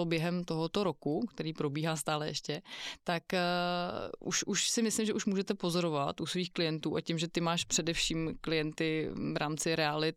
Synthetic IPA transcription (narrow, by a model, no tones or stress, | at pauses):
objɛɦɛmt̪o̞ɦo̞t̪o̞ɾo̞kukt̪ɛɾiːpɾo̞biːɦaːst̪aːlɛjɛ̰ʃcɛt̪ak | ʔṵʃʔuʃsɪmɪslɪmʒɛʔuʃmuːʒɛt̪ɛpo̞zo̞ɾovat̪ʔusviːxklɪjɛnt̪uːʔacɪmʒɛt̪ɪmaːʃpr̥ɛdɛfʃiːmklɪjɛnt̪ɪvɾʔaːmt͡sɪɾɛalɪt